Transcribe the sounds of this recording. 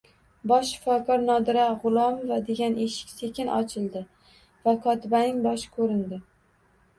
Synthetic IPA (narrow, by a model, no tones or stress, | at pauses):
bɒʃːɪ̥fɒkɒɾnɒd̪ɪɾaʁʊlˠɒmvad̪e̞ɡʲanʔe̞ʃɪ̥kʲse̞kʲɪnʔɒ̰t͡ʃʰɪlˠd̪ɪ | vakʰɒt̪ʰɪbanɪŋbɒʃkʰɵɾɪnd̪ɪ